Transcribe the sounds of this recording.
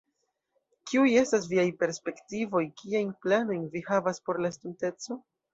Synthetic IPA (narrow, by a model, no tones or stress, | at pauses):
kiuje̞stas̬viajpe̞ɾspe̞ktivo̞jkiajnplano̞jnvihavaspo̞ɾlastunte̞t͡so̞